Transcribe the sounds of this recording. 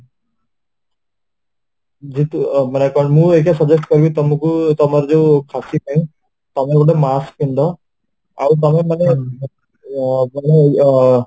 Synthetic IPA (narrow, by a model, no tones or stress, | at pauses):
d͡ʒit̪umanekɔɳmũekasɔd͡ʒesʈkɔɾbit̪ɔmũkut̪ɔmaɾd͡ʒewkʰasikʰajũ | t̪ɔmeɡoʈ̬emaskind̪ʱɔ | a̰wt̪̬ɔmemane | mane